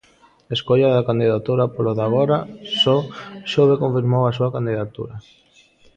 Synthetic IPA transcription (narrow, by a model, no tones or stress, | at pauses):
eskoʎaðakand̪iðat̪uɾapoloðaɣoɾasɔʃoβekoɱfiɾmowasuakand̪iðat̪ṵɾɐ